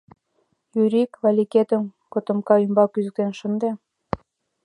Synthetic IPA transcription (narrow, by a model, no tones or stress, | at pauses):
jyɾikβɑlʲiket̪ə̆mkŏt̪ɤ̆mkɑymbɑkyzɘ̆k̚t̪enʃə̆nd̪e